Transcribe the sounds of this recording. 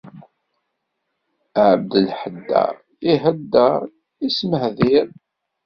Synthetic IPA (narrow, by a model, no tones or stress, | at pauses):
əʕəb̚d̪əlħəd̪ːæ̰ | iɦəd̪ːæ | isməhðiɾ